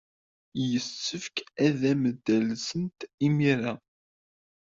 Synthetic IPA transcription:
jəsːəfkæðæməd̪ːælsənt̪imiɾæ

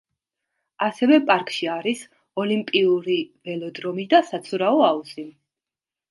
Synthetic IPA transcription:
asɛvɛpʼaɾkʼʃiaɾis | ɔlimpʼiuɾivɛlɔd̪ɾɔmid̪asat̪sʰuɾaɔausi

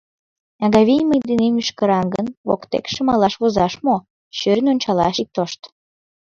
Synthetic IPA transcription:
ɑɣɑβʲijməjd̪enemyʃkə̆ɾɑŋɡənβo̰kt̪ḛkʃəmɑlɑʃβozɑʃmo | ɕøɾnʲonʲt͡ɕɑlɑʃik̚t̪oʃt̪

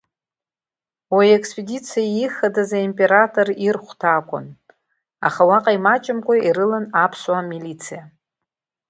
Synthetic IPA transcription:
wajekspʼedit͡sʰijajiχadazaimpʼe̞ɾatʰʼo̞rirχʷtʰaːkʷʼʊ̰n | a̰χawaqʼajmat͡ʃʼɪmkʷʼaiɾɨlanapʰswamilit͡sʰija

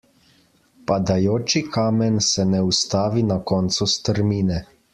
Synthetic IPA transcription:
pad̪ajoːt͡ʃikʰaːmɛnsɛnɛust̪aːʋinakɔːnt̪sust̪əɾmiːnɛ

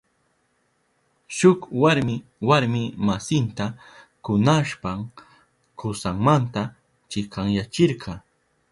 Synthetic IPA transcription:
ʃʊkwaɾmɪwaɾmɪmasɪnt̪a | kʊnaʃpaŋ | kʊsaŋmant̪a | t͡ʃɪkaŋjat͡ʃɪɾɢʰɑ

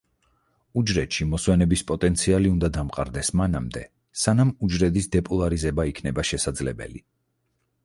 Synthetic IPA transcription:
ud͡ʒɾɛt̪ʃimɔswɛnɛbispʼɔt̪ʼɛnt̪sʰialiund̪ad̪amqʼa̰ɾd̪ɛsmana̰md̪ɛ | sanamud͡ʒɾɛd̪isd̪ɛpʼɔlˠaɾizɛbaikʰnɛbaʃɛsad̪zlɛbɛ̰li

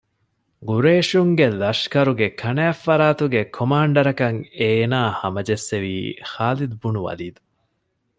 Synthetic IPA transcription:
ɡuɾeːʃuŋɡelɐʃkɐɾuɡekʰɐnæːfːɐɾaːt̪uɡekʰomaːɳɖɐɾɐkɐŋeːnaːhɐmɐd͡ʒesːeʋiːxaːlid̪ubunuʋɐ̰liːd̪u

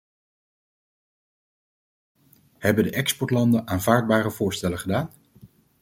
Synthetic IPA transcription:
hɛbədəʔɛkspɔɹtlɑndənaːnvaːɹd̚baːrəv̥ʊːɹstɛləχədaːn

